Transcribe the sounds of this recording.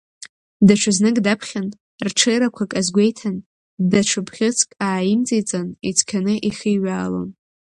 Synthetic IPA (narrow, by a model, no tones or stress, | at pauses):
daʈ͡ʂʷʰɨznɨkʼdapʰχʲan | rʈ͡ʂʰejɾakʷʰakʼazɡʷe̞jtʰan | daʈ͡ʂʷʰɨpʰχʲɪt͡sʰkʼaːjimt͡sʼijt͡sʼanit͡sʰʼkʲʰanɨʔiχijɥaːlo̰n